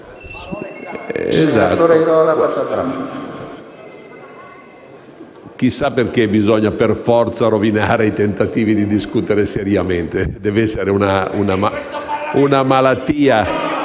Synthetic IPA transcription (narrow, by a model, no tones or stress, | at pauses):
ɛ̰zat̪oɾaiɾɔlaɡwat͡ʃːat̪ɾam | k̟isaperkebizɔɲːaperfɔrt̪saɾovinaːɾeit̪ent̪at̪iːvid̪id̪iskut̪eɾeseɾjamɛnt̪ed̪ɛvɛsːeɾeunaunamaunamalat̪ːiːa